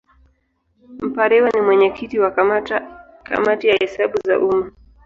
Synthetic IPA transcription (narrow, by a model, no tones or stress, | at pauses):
m̩paɾɛwanimwɛɲɛkʰitiwa | ka̰matijahɛsaɓuza̰ʔuma